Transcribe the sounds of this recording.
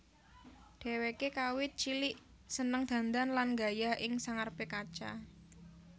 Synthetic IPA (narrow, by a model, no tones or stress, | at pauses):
d̪̥e̤wekekawɪt̪̚t͡ʃilɪʔ | sənəŋd̪̥ä̤nd̪anlanŋɡajaʔɪŋsaŋarb̥ekat͡ʃa